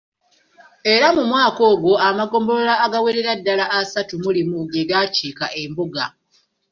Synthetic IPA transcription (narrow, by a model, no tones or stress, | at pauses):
e̞ɾamumwaːko̞ːɡwo̞amaɡo̞ːmbo̞lolaːɡaweɾeɾadːalaʔːsatumulimuɡeɡaːceːkaʔe̞mbuɡa̰